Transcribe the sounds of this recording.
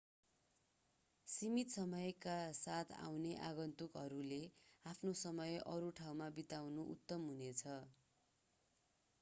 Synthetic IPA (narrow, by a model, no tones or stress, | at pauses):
simit̪sʌmʌjkasat̪ʰa̰wneʔa̰ɡʌnt̪ukɦʌɾuleapʰnosʌmʌjʌɾuʈʰawmabit̪awnuʔṵt̪ːʌmɦunet͡sʰʌ